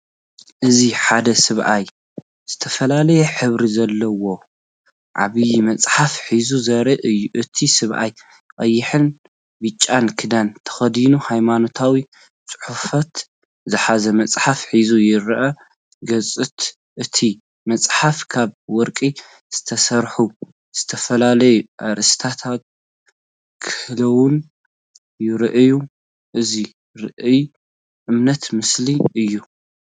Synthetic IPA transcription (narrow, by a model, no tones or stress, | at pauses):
ʔɨziħad̪ɐsɨβʔaj | z̥ɨt̪ʰɐfɐlalɐjɛħɨβɾizɐlːɐwo̞ | ʕa̰βɨjmɐt͡sʼħafħizuzɐɾɐʔʔɨt̪ʰisɨβʔa̰j | kʼɐjːɪħɨn | bɨt͡ʃʼːankʰɨd̪ant̪ʰɐ̥xɐd̪inuhajmano̞t̪ʰawi | t͡sʼɨ̥ħufɐt̪ | zɨħazɐmɐt͡sʼħafħizujɪɾʔɐ | ɡɐt͡sʼɨt̪ | ʔɨt̪ʰi | mɐt͡sʼħafkʰaβwɔɾkʼi | z̥ɨ̥t̪ʰɐsɐɾħu | z̥ɨt̪ʰɐfɐlalɐjuʔaɾʔɨst̪ʰat̪ʰat̪̚ | kʰɨ̥hlɐwʊn | jɪɾɨʔju | ʔɨzi | ɾɨʔɨj | ʔɨmnɐt̪mɨsliʔɨjːu